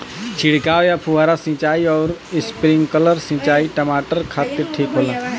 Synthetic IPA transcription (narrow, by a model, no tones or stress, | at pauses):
t͡ʃʰɪɽ̤kaːʋjapʰuʋaːɾasĩt͡ʃaːiɔːɾɪspɾɪ̃ŋɡkələɾsĩt͡ʃaːiʈəmaːʈəɾkʰaːt̪ɪɾʈʰiːkɦoːlã